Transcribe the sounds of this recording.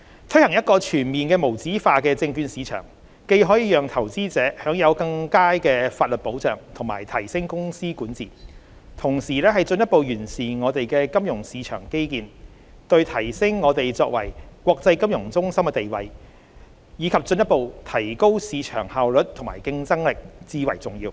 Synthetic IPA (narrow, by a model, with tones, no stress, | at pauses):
t̪ʰɵ˥jhɐ˨˩ŋjɐ˥t̚kɔː˧t͡ʃʰyː˨˩nmiː˨nkɛː˧mo˨˩wt͡siː˨˥faː˧kɛː˧t͡sɪ˧ŋkyː˨˧nsiː˨˧t͡ʃʰœ̰ː˨˩ŋ | ke˧jɦɔː˨˥jiː˨˧jœː˨ŋt̪ʰɐ˨˩wt͡siː˥t͡sɛː˨˥hœː˨˥ŋjɐ˨˧wkɐ˧ŋkaː˥jkɛː˧faː˧t̚lɵ˨t̚po˨˥wt͡sœ̰ː˨ŋt̪ʰʊ˨˩ŋmaː˨˩jt̪ʰɐ˨˩jsɪ˥ŋkʊ˥ŋsiː˥kuː˨˥nt͡siː˨˩ | t̪ʰʊ˨˩ŋsiː˨˩lɛː˥ɦɐ˨jt͡snjɐ˥t̚po˨wjyː˨˩nsiː˨˩ŋɔː˨˧t̪e˨jkɛː˧kɐ˥mjʊ˨˩ŋsiː˨˧˥t͡ʃʰœː˨˩ŋke˥jkiː˨n | t̪ɵ˧ɥt̪ʰɐ˨˩jsɪ˥ŋːɔː˨˧t̪e˨jt͡sɔː˧k̚wɐ̰˨˩jkwɔː˧k̚t͡sɐ˧jkɐ˥mjʊ˨˩ŋt͡sʊ˥ŋsɐ˥mkɛ˧t̪e˨jwɐ̰˨j | jiː˨˧kʰɐ˨p̚t͡sɵ˧njɐ˥t̚po˨˧wt̪ʰɐ˨˩jko˥wsiː˨˧t͡ʃʰœ̰ː˨˩ŋhaː˨wlɵ˨˥t̚t̪ʰʊ˨˩ŋmaː˨˩jkɪ˧ŋt͡sɐ˥ŋlɪ˨k̚t͡siː˧wɐ̰˨˩jt͡sʊ˨˩ŋjiː˧w